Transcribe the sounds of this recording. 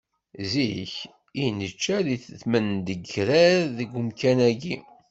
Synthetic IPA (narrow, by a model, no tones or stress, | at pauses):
ziç | inət͡ʃːæðiθəθmənd̪əɡɾæɾðəɡʷʊmkænæɡi